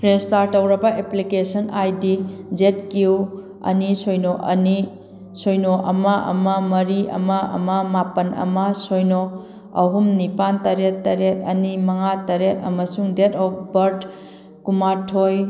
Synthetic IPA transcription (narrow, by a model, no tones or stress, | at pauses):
ɾestaɾtɐwɾɐbɐʔeplikesɐnajdid͡ʒet̚kiu | ɐ̰nisojnoʔɐ̰ni | sojnoʔɐmɐʔɐ̰mɐmɐɾiʔɐ̰mɐɐ̰mɐmapɐnɐ̰mɐsojno | ɐ̰ɦumnipantɐɾetːɐɾet̚ɐ̰nimɐŋatɐɾet̚ɐ̰mɐsuŋdetɔp̚ʰbɐɾd | kumatʰoj